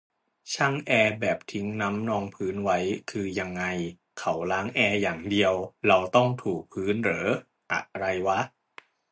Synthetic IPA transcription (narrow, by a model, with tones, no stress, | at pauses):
t͡ɕʰa˥˩ŋʔɛː˧bɛː˨˩p̚t̪ʰi˦˥ŋna˦˥mnɔː˧ŋpʰɯː˦˥nwa˦˥jkʰɯː˧ja˧ŋːa˧j | kʰa˦˥wlaː˦˥ŋʔɛː˧jaː˨˩ŋdi˧əwɾa˧wt̪ɔ˥˩ŋt̪ʰuː˨˩k̚pʰɯː˦˥nɾɤː˩˦ | ʔa̰˨˩ʔɾa˧jwa˦˥ʔ